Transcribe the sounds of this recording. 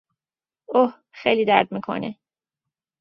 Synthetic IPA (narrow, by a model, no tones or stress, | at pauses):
oh | xejliːd̪æ̰ɾd̪̚miːkʰo̰nḛ